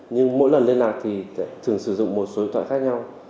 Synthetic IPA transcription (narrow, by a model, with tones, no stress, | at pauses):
ɲɨ˧ŋmo̰˧˥jlə˨˩nle˧nlaː˨˩k̚t̪ʰi˨˩sɛ̰˧˥t̪ʰɨ˨˩əŋsɨ˧˩zʊ̰˧˨ŋ͡mmo˨˩t̚so˨˦i˦˥t̪ʰa̰ː˧˨˩xaː˦˥k̚ɲa˧w